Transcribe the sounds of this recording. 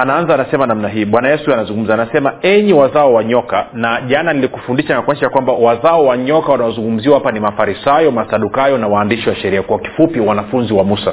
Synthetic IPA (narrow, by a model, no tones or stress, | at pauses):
anaanzaːnasɛmanamnaɦiːɓwanajɛsuanazuŋɡum̩zaːnasɛmaɛɲiwazaɔwaɲɔkanaʄananilikufundiʃanakwaɲiʃajakwambawazaɔwaɲɔkawanawɔzuŋɡum̩ziwawapanimafaɾisajɔmasaɗukajɔnawaːndiʃiwaʃɛɾiakwaki̥fupiwanafunziwamusa